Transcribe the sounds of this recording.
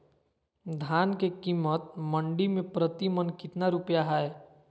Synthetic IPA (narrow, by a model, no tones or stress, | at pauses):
d̪ʱaːnkekiːmːət̪̚mə̃ɳɖimẽpɾət̪imənkɪt̪naɾupjaɦɛɛ